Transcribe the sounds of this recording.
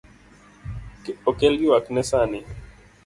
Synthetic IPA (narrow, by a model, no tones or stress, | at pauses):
kɔkɛlɡiwaknɛsani